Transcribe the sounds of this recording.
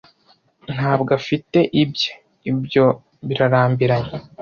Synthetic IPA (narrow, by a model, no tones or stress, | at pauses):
n̥haːbɡafite̞ʔibje̥ | ibjo̞ | βiɾaɾaːmbiɾaɲe